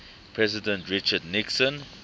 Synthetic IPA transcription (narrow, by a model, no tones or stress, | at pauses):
pʰɹɛzidɛ̃ntɹit͡ʃədniksɔ̃n